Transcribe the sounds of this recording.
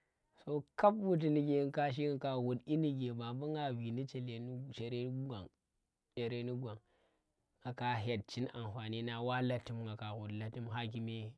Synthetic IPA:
so˦ka˦pwu˦t̬i˨ni˨ɡe˨˦ŋ˦ka˦ʃ̬i˦˨ka˨wu˨di˦ni˨ɡe˨ba˨mbu˦ŋɡa˨bi˨ni˦t͡ʃe˨le˨ni˦t͡ʃe˨ɾe˦ɡʷa˨ŋ | t͡ʃe˨ɾe˦ni˦ɡʷa˨ŋ | ŋa˨ka˨ɦe˨t̚t͡ʃi˦na˨mfa˨ni˦na˨wa˦la˦tːi˦mŋɡa˨ka˨ɣu˨dla˨ti˦mɦa˦k̬i˦me˦

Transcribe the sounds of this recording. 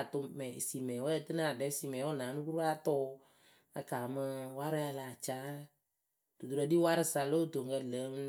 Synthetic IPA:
tʊ˧mɛ˨si˨mɛ˨wɛ˦˨tɨ˦na˨dɛ˨˦si˨mɛ˨˦ɔ˦˨na˨˦mɨ˦ku˦ɾa˦tɔ˦ | a˧kaː˨mɨ˧wa˦ɾɨ˦a˧la˨t͡ʃaː˦ | d̥u˨du˨ɾɔ˨˦di˦wa˦ɾɨ˦sa˨lo˦˨to˨ŋ˨ɡə˧lə˨˦

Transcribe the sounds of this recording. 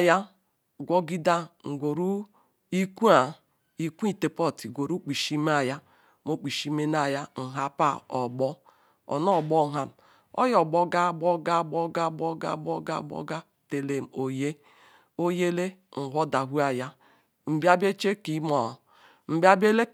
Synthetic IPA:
ja˦ | ɡʷɔ˦ɡi˦da˦ŋ̩˨ɡʷo˨ɾu˦ | i˦ku˦a˨ | i˨kʷu˦i˦˨te˨pɔ˦˨ti˨ɡʷo˨ɾu˦k͡pi˨ʃi˦m˦a˦˨ja˦ | mo˦k͡pi˨ʃi˦me˦n˦a˦˨ja˦ŋ̩˨ɦa˦pa˦˨ɔ˨bɔ˦ | ɔ̰˨nɔ˦˨bɔ˦ɦa˦ | ɔ̰˦jɔ˨ɡ͡bɔ˦ɡa˦˨bɔ˦ɡa˦˨bɔ˦ɡa˦˨bɔ˦ɡa̰˦˨bɔ˦ɡa̰˦˨bɔ̰˦ɡa˦ | te˨le˨m̩˨o˨je˦ | o˦je˦le˦ŋ̩˨ɦʷɔ˦da˨ɦu˦a˨ja˦ | m̩˨bi˦a˦be˦t͡ʃe˦ki˨˦mɔ˨ | m̩˨bi˦a˦be˦le˦

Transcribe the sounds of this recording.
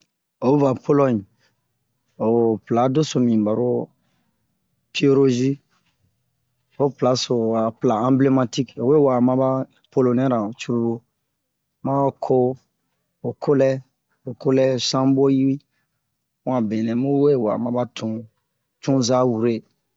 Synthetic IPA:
o˨˦va˨po˦lɔ̃˦n˨ | o˨pla˨˦do˦so˨mĩ˨ba˨ɾo˦ | pi˦o˦ɾo˦ʒi˦ | o˦pla˨˦so˨a˨pla˨ã˦ble˦ma˦ti˦ko˨we˦wa˨mã˦ba˦ | po˦lo˨nɛ˦ɾã˨t͡ʃu˦ɾu˦ɾu˦ | ma˦kʰo˦ | o˨kʰo˦lɛ˦ | o˨ko˦lɛ˦sã˦bo˦ji˦ɾĩ˦ | ã˨bẽ˨nɛ̃˨mu˦we˦wa̰˨mã˨ba˦tʰũ˨˦ | t͡ʃũ˦za˦wu˨ɾe˦

